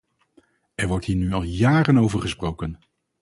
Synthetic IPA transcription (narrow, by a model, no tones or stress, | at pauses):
ɛɹʋɔɹtɦiːɹnyɑlˠjaːɾənowvəɹχəsprowkən